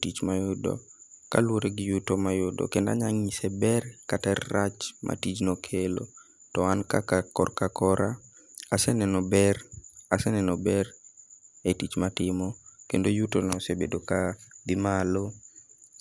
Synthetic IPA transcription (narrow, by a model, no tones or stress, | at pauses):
tit͡ʃmajʊdɔ̰ | ka̰lwoɾeɡɪjutomajʊdɔ̰kenda̰ɲaŋisɛbɛrkatɛrːat͡ʃmʔa̰tit͡ʃnokʰelo̰ | tɔankakakɔ̰rkakɔɾa | asɛnɛnɔbɛrasɛnɛnɔbɛr | etit͡ʃmatɪmɔkendojutonɔsebedokad̪ɪmalo